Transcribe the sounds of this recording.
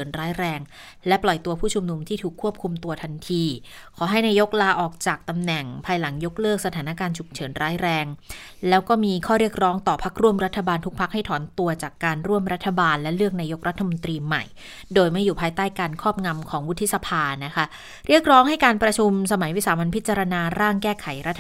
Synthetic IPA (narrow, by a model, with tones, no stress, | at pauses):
nɾaː˦˥jɾɛː˧ŋ | lɛ˦˥plɔ˨˩jt̪u˧ɐpʰuː˥˩t͡ɕʰu˧mnu˧mt̪ʰiː˥˩uː˨˩kʰːu˥˩əp̚kʰu˧mt̪u˧ɐt̪ʰa˧nt̪ʰiː˧ | kʰɔː˩˦ɦa˥˩jnaː˧jo˦˥k̚laː˧ʔɔː˨˩k̚t͡ɕaː˨˩k̚t̪a˧mnɛ˨˩ŋpʰaː˧jla˩˦ŋjo˦˥k̚lɤː˥˩k̚sa˧t̪ʰaː˩˦na˦˧˥kaː˧nt͡ɕʰu˨˩p̚t͡ɕʰɤː˩˦nɾaː˦˥jɾɛː˧ŋ | lɛː˦˥wkɔː˥˩miː˧kʰɔː˥˩ɾi˥˩ək̚ɾɔː˦˥ŋt̪ɔː˨˩pʰa˦˥k̚ɾu˥˩əmɾa˦˥t̪ʰːa˧baː˧nt̪ʰu˦˥k̚pʰa˦˥k̚ha˥˩jt̪ʰɔː˩˦nt̪u˧ɐt͡ɕaː˨˩kːaː˧nɾu˥˩əmɾa˦˥t̪ʰːa˧baː˧nlɛ˦˥lɯ˥˩ək̚naː˧jo˦˥k̚ɾa˦˥t̪ʰːa˧mo˧nt̪ɾiː˧ma̰˨˩j | doː˧jma˥˩jːuː˨˩pʰaː˧jt̪aː˥˩jkaː˧nkʰɔː˥˩p̚ŋa˧mkʰɔː˩˦ŋwu˦˥t̪ʰːi˦˥sa˧pʰaː˧na˦˥kʰa˦˥ | ɾi˥˩ək̚ɾɔː˦˥ŋɦa˥˩jkaː˧npɾa˧t͡ɕʰu˧msa˧ma˨˩˦jwi˦˥saː˨˦ma˧npʰi˦˥t̪̚t͡ɕa˧ɾa˧naː˧ɾaː˥˩ŋkɛː˥˩kʰa˩˦jɾa˦˥t̪ʰː